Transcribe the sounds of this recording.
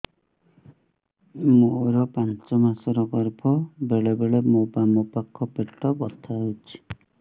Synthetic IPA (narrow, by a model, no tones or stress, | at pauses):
moɾɔpant͡ʃɔmasɔɾɔɡɔɾbʰʱɔbeɭebeɭemobamɔpakʰːɔpeʈːɔbɔt̪ʰaɦowt͡ʃʰi̥